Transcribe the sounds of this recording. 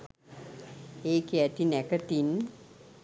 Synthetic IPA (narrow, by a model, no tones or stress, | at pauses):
eːkeat̪inɛkət̪in